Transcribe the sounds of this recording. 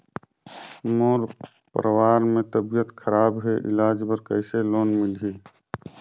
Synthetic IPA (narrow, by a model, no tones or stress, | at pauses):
moːɾ | pɾəwaːɾmẽt̪əbijət̪kʰəɾaːbɦeʔɪ̰laːd͡ʒbəɾkəɪseloːnmɪlɦeː